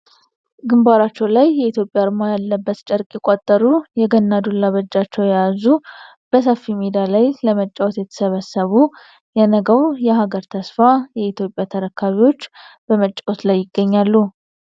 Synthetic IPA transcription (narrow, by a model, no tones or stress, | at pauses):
ɡɨmbaɾat͡ʃːɛwlajːɛit̪jo̞pʼjaɾmajalːəbːət̪t͡ʃʼəɾkʼɛkʼot̪ʼːəɾujɛɡənːad̪olːaβəd͡ʒːat͡ʃːɛwjajazu | b̥əsəfːimed̪alajləmət͡ʃʼːawot̪jɛt̪ʰə̥səβəsːəβu | jɛnəɡəwjɛɦaɡəɾt̪ʰəsfajɛit̪jo̞pʼjat̪ʰəɾəkʰːaβiwo̞t͡ʃːb̥əmət͡ʃʼːawot̪lajːɪɡːəɲːalːu